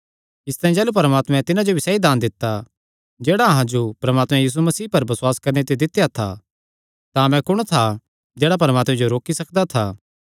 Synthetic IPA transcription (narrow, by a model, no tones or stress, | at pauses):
ɪst̪ãːĩd͡ʒɛːlup̬ɐɾəmaːt̪mɛ̃t̪ɪnãd͡ʒobisɛːid̪aːnd̪ɪt̪ːa | d͡ʒeːɽaɐɦãd͡ʒopɾɐmaːt̪mɛ̃jiːs̬umɐsiːpɐɾbɐsʊwaːskɐɾnet̪̬ed̪ɪt̪ːjat̪ʰa̰ | t̪amɛ̃kʊɽ̃t̪ʰa | d͡ʒɛːɽap̬ɐɾəmaːt̪mɛ̃d͡ʒoɾoːkisɐkd̪at̪ʰaː